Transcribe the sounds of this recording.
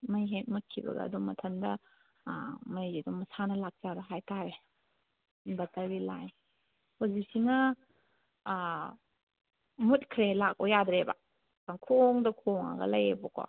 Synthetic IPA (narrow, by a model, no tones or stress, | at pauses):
mɐjɦet̚mut̚kʰibɐ̰ɡɐ̰ːduŋmːɐtʰɐndɐ | mɐjzidɔŋmɐsanɐlak̚t͡ʃabɐɦajtʰaɾe | bɐtabilaj | hozisiŋɐ | mut̚kʰɾelak̚ojadɾeba̰ | kaŋkʰoŋdɐkʰoŋa̰ɡɐ̰lɐjebɔkɔ̰